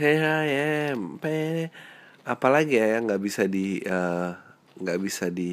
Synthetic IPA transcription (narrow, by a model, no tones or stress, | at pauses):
eɦajapa | apalaɡijajaŋɡaʔbisadiə | ŋɡabisadi